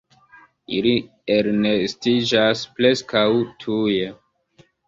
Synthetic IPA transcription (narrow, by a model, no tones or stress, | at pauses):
ili | eɾnestid͡ʒasple̞skawtʰuje